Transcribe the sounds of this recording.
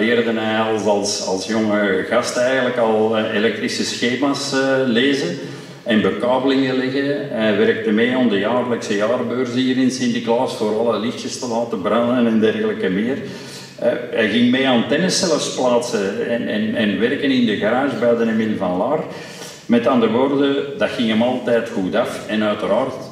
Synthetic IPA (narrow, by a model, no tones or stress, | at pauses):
lɪːrdənɛɑlˠzɑlˠsɑ̰lˠsjɔŋəɣɑstɛːjɣənləkɑlˠelɛk̚t̪ɾisəsxeːmaːsleːzən | ɛnbəkɑːbəlɪŋəlɪɣəɛʋɛɾk̚təmeːɔmdəjaːrləksəjaːrbøːrzəhiːɾɪnsɪndiklaːsfoːɾɑlˠəlɪxtəstəlaːtəbrɑnənɛndɛrɣələkəmɪːr̰ | ɛjɣɪŋmeːaːntɛnəsɛləfsplaːtsəɛnɛ̰nɛnʋɛrkənɪndəɣəɾaːʒəbɛːdənemɪləvɑnlaːr | mɛtɑndəɾəʋoːrdəd̥ɑxɪŋəmɑlˠtɛːtxutafɛnœɥtəɾaːrt